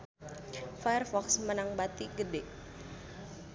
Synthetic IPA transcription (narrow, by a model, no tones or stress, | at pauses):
fajɛrfɔksmənaŋbat̪iɡədeʔ